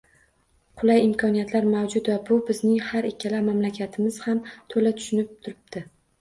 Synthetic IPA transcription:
qʰʊlˠajɪmkʰɒnijat̪ʰlaɾmawd͡ʒʊt̪vabʊbɪznɪŋhaɾekʲʰːalamamlakʲʰat̪ʰɪmɪz̥hamt̪ʰolat̪ʰʊ̥ʃɪnɪp̚t̪ʰʊɾɪb̚d̪̥ɪ

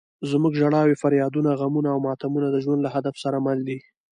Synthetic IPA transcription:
zmuɡʒaɽɑwefaɾjɑd̪unaɣamunaːwmɑt̪amunad̪əʒwand̪laɦad̪afsaɾamald̪i

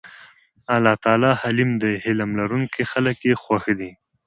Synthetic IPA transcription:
alɑt̪ɑːlɑhalimd̪əhɪlamlaɾuŋkʰexaləkjexwaxd̪i

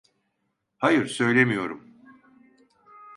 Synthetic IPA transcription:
hajɯɾsø̞jlʲe̞mijo̞ɾum

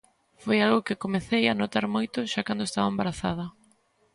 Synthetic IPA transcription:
fojalɣʊkɪkomeθejanot̪aɾmojt̪ʊʃakand̪oest̪aβɐẽmbaɾaθa̰ðɐ

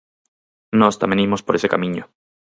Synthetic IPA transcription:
nost̪amenimo̞spoɾe̞se̞kamĩɲo

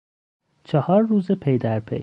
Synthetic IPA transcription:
t͡ʃʰɒhɒːɾːuːzepʰejd̪æɾpʰḛj

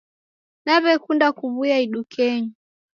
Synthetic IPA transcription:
naβɛkundakuβujaiɗukʰɛɲu

